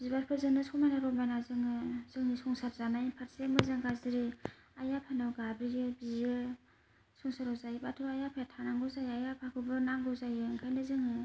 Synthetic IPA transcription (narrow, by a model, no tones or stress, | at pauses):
bibaɾpʰɯɾzɯŋnɯsɔmajnaɾɔmajnazɯŋɯz̥ɯŋnisɔŋsaɾzanajinpʰaɾsemɯzɯŋɡazɯɾi | ajapʰanɯwɡabijɯbiɯ | sɔŋsaɾɔwzajbatʰɯɾajapʰatʰanaŋɡɯwzajajapʰakʰɯbɯnaŋɡɔwzajɯɯŋkʰajnɯzɯŋɯ